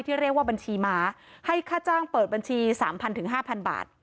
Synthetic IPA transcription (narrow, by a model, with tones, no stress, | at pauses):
jt̪ʰiː˥˩ɾi˥˩ək̚waː˥˩ba˧nt͡ɕʰiː˧maː˨˧ha˥˩jkʰaː˥˩t͡ɕaː˥˩ŋpɤː˨˩t̪̚ba˧nt͡ɕʰiː˧sa̰ː˩˦mpʰa˧nt̪ʰɯ˨˩˦ŋɦaː˥˩pʰa˧nba̰ː˨˩t̪̚